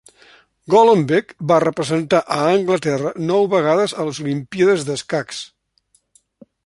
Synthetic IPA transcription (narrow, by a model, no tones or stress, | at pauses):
ɡoləmbɛkbarəpɾəzənt̪aʔəːŋɡlət̪ɛrənɔwβəɣ̞aðəzəlˠzulimpiəðəzðəskaks